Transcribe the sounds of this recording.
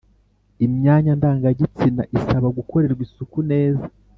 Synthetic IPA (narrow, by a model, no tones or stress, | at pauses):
imɲaːɲandaːŋɡaɟit͡sinaʔisaβaɡuko̞ɾe̞ɾɡwisukune̞ːzḁ